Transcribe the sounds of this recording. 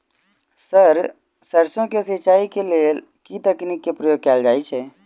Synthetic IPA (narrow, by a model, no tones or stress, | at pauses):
səɾ | səɾsõkesɪt͡ʃaːikelel | kit̪əknikːepɾəjoːɡ̚kɛːld͡ʒaːit͡ʃʰɛː